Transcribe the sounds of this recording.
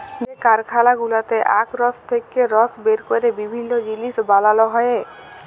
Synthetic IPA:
d͡ʒekaɾkʰalaɡulat̪eʔakɾɔst̪ʰekːeɾɔsbeɾkɔɾebibʱinːɔd͡ʒilisbalalɔɦɔee

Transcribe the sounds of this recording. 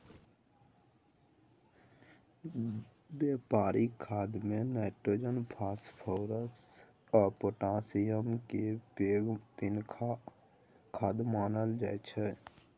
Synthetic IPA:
beːpaːɾikʰːaːd̪mẽnɛːʈɾoːd͡ʒənpʰaːspʰoːɾəs | ɔpoːʈãːsɪjəmkepeːɡt̪ɪnkʰa | kʰaːd̪maːnəld͡ʒaːt͡ʃʰɛ

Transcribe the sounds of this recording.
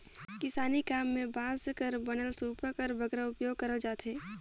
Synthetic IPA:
kɪsaːnikaːmːẽbãːskəɾbɐnəlsuːpəkəɾbɐɡɾəʊpjoːɡ̚kɐɾəd͡ʒaːt̪ɦeː

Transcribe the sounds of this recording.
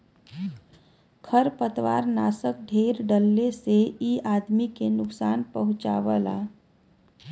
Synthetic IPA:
kʰəɾpət̪ʋa̰ːɾnaːsək̚ɖʱeːɾɖəlːeseiaːd̪mikenʊksaːnpəɦʊ̃t͡ʃa̰ʋəla̰ː

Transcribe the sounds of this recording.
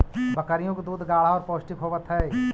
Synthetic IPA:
bəkəɾijõked̪uːd̪ʱɡaːl̤aɔːɾpoːsʈikɦoːʋət̪ɦɛː

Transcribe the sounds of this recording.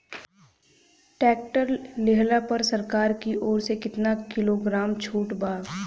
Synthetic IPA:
ʈɛːk̚ʈəɾleɦlapɐɾsɐɾkaːɾkiʔoːɾsekɪt̪nakɪloːɡɾaːmt͡ʃʰuːʈbaː

